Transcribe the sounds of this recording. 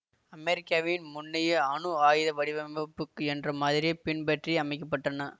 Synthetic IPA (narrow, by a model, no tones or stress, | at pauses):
ɐmɛɾɪkːaːʋɪnmʊnːɪjɐɐɳɯaːjɪðɐʋɐɽɪʋɐmɐpːɯkːɯɛndrɐmaːðɪɾijepɪnbɐʈriɐmɐɪkːɐp̬ːɐʈːɐnɐ